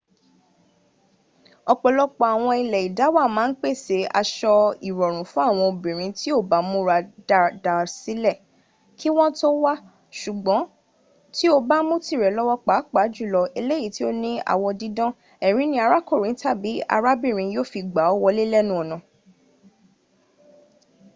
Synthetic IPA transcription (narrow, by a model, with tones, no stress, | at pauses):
ɔ˧k͡pɔ˧lɔ˦k͡pɔ˧˦a˨w̃ɔ̃˧i˧lɛ˨i˨da˨˦wa˦˨mãː˨˦n̩˦k͡pe˦˨se˨˦a̰˧ʃɔ˧i˨ɾɔ˨ɾ̃ũ˨fũ˦a˦˨w̃ɔ̃˧o˨bĩ˨ɾ̃ĩ˧˦ti˦o˦˨ba˨˦mũ˦ɾa˧dda˨si˨˦lɛ˦˨ | kʰi˦w̃ɔ̃˦to˦wa˦ | ʃu˨ɡ͡bɔ̃˨˦ | ti˦o˦ba˦mũ˦ti˦˨ɾɛ˨lɔ˦wɔ˦k͡pa˨˦k͡pa˨˦d͡ʒu˦˨lɔ˧e˧le˦ji˨˦ti˦o˦nĩ˦a̰˦˨wɔ˧dĩ˨˧dɔ̃˦ | ɛ˨ɾ̃ĩ˨˦nĩ˦a˧ɾa˦ko˦˨ɾĩ˨˦ta˦˨bi˨˦a̰˧ɾa˦bĩ˦˨ɾ̃ĩ˧joː˦˨fi˧ɡ͡ba˨˦ɔ˦wɔ˧le˦lɛ˦˨nũ˦ɔ˨nɔ̃˨